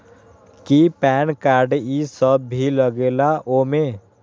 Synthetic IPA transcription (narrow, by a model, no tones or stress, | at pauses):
kipɛːnkaːɾɖisəbːʱiləɡeːlaʔoːmẽ